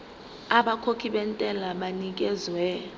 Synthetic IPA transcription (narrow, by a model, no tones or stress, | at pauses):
aɓakʰokʰiɓɛntʼɛlaɓanik̬ɛzwɛ